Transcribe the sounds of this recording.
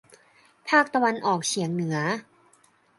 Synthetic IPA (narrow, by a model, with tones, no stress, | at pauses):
pʰaː˥˩k̚t̪a˧wa˧nʔɔː˨˩k̚t͡ɕʰi˩˦əŋnɯ˨˩˦ɐ